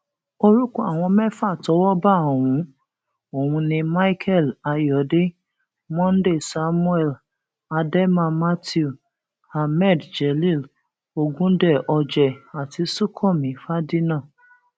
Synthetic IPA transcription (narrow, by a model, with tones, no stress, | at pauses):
o˧ɾu˦kũ˦a˨w̃ɔ̃˧mɛ̃˦fa˦˨tɔ˨˦wɔ˦ba˦˨o˨wũ˨˦ | o˨wũ˧nĩ˧ma˦i˦kʰɛ˦˨la˧jɔ˨˦de˦ | mɔ̃˦n̩˦de˦˨sa˦mũ˦ɛ˦˨l | a˧dɛ˦mã˧ma˦ti˦u˦˨ | ha˧mɛ˦˨dd͡ʒɛ˨li˦˨l | o˧ɡũ˦dɛ˦˨ʔɔ˧d͡ʒɛ˨a˨ti˨˧su˦kʰɔ˦˨mĩ˨˦fa˦di˦nã˦˨